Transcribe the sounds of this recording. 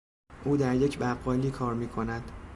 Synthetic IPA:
ʔuːd̪æɾje̞cʰbæʁːɒːliːkʰɒːɾmiːkʰo̞næd̪̥

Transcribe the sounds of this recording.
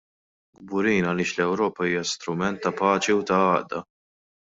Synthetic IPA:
ɡ̚bʊɾiːnɐlɪːʃlɛwɾɔːpɐiːjɐst̪ɾʊmɛnt̪ːɐpɐːt͡ʃiut̪ɐɐːʔd̪ɐ

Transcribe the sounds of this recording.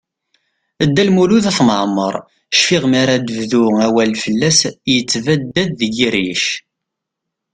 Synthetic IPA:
əd̪ːælmuluðæθmʕmːəɾˤ | ʃfiʁmiɾad̪əvðuæwælːfəlːæsjət͡sːvæd̪ːæd̪ðəɡiɾiʃ

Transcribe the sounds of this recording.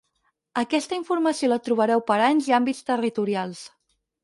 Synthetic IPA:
əkɛst̪əiɱfuɾməsiolət̪ɾuβ̞əɾɛwpəɾaɲziambist̪ərit̪uɾialˠs

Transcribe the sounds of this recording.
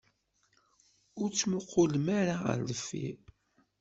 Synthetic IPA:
ʊɾt͡sːmʊqʰːolmaɾaə̰ɾləfːḭ

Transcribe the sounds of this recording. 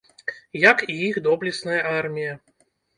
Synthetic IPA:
jɐkiixd̪ɔblʲisnɐjɐarmʲijɐ

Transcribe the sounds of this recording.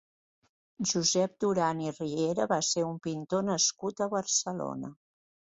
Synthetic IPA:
ʒuzɛp̚d̪uɾanirieɾəβaseumpint̪onəskut̪əβəɾsəlo̰nə̰

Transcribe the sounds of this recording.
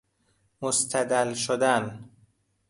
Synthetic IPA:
most̪ʰæd̪ælʃod̪æn

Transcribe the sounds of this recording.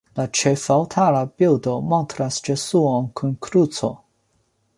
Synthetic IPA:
lat͡ʃɛfawt̪ʰalabiwd̪omɔnt̪ɾasd͡ʒɛsuõnkʰunkʰɾut͡so

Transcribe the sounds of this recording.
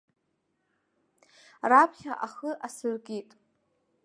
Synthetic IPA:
rapʰχʲaʔaχəʔasɨrkʲʼitʼ

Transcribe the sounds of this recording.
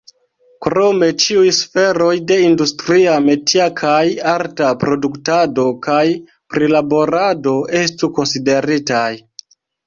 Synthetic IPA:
kɾo̞me̞t͡ʃiujsfe̞ɾo̞jde̞industɾiame̞tiakʰajaɾtapɾo̞duktado̞kaj | pɾilabo̞ɾado̞e̞stuko̞nside̞ɾitaj

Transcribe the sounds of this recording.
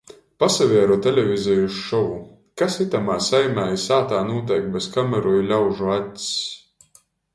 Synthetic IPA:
pasavʲiɛɾut̪ɛlʲɛvʲizɛjuʃʃɔvu | kasit̪amaːsajmæːjisaːt̪aːnuɔt̪̬ɛjk̚bɛskamɛɾɔjilʲawʒuat̪ʲs

